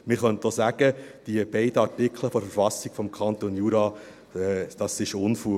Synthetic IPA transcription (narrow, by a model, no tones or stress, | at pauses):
mɪɾχœntoːsæɡ̥əd̥iəbɛɪdəɑɾtɪkʰləfɔɾfəɾfɑsiɡ̥fɔmkʰɑnt̪onjuːɾɑː | ɛd̥ɑsɪʃʊnfuː